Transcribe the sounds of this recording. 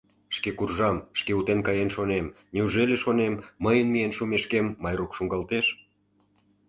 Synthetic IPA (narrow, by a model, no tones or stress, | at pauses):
ʃkekurʒɑmʃkeut̪enkɑjenʃonem | nʲeuʒeleʃonemːəjənmijenʃumeʃkemːɑjrukʃuŋɡɑlt̪eʃ